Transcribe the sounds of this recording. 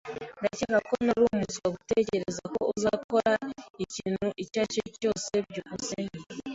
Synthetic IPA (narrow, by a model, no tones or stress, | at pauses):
dacikakonaɾumut͡swaɡutece̞ɾezako̞uzako̞ɾaiciːnuʔicaceco̞ːse̞bɟukuseɲi